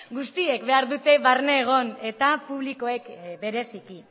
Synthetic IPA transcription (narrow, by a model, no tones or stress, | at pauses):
ɡust̪ie̞kbe̞aɾðut̪e̞βarneːɣ̞o̞ne̞t̪apuβliko̞e̞kbe̞ɾe̞siki